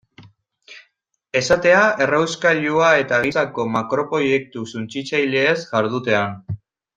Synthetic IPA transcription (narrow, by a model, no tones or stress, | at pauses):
e̞sat̪e̞ae̞rawskaʎuae̞t̪aɣisako̞makɾo̞pɾo̞je̞k̚t̪usunt͡sit͡sajleːsʝaɾð̞ut̪e̞an